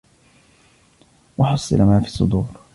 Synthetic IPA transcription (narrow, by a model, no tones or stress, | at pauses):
wɑħɑsˤːɨ̰lamaːfiːsˤːʊ̰d̪uːɾ